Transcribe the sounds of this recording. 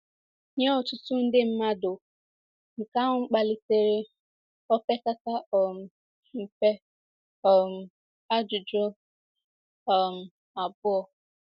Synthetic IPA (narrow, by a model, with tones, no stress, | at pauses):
ɲe˦ɔ˨t͡ʃʊ˨tʊ˦n̩˦dɪ˦m̩˦ma˦dʊ˨ | ŋ̩˨ka˦ɦʊ˦ŋ͡m̩˦k͡pa˨lɪ˦te˦ɾe˦ | ɔ˦pe˦ta˦ta˦ɔ˨m̩˨ | m̩˨pe˦ | ɔ˨m̩˨ | a˦d͡ʒʊ˨d͡ʒɔ˦ | ɔ˨m̩˨ | a˨bʊ˦ɔ˨